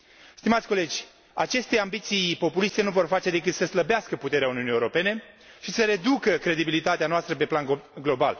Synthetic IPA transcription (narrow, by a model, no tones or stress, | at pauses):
st̪imat̪sʲko̞le̞d͡ʒʲ | at͡ʃe̞st̪e̞ambit̪sijpo̞pulist̪e̞nuvo̞rfat͡ʃe̞d̪e̞kɨt̪səsləbeaskəput̪e̞ɾeauniunijewɾo̞pe̞ne̞ | ʃisəɾe̞d̪ukəkɾe̞d̪ibilit̪at̪eanoast̪ɾəpe̞planɡlo̞ba̰l